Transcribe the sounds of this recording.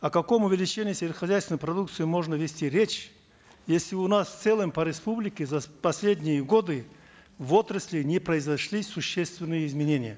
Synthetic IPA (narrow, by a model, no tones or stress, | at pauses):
ɐkɐko̞mʊvʲɪlʲɪt͡ɕenʲɪjːsʲelʲɪt̪xɐzʲæjst̪vʲɪnəjpɾɐd̪uk̚t̪sɨjɪmo̞ʐnəvʲɪsʲtʲiɾʲet͡ɕ | jesʲlʲɪʊnasft̪sɛlˠəmpəɾʲɪspublʲɪkʲɪzɐpɐsʲlʲed̪ʲnʲɪjəɡo̞d̪ɨ | vo̞t̪ɾəsʲlʲɪnʲɪpɾəɪzɐʂlʲisʊɕːest̪vʲɪnːɨjəɪzmʲɪnʲenʲɪjə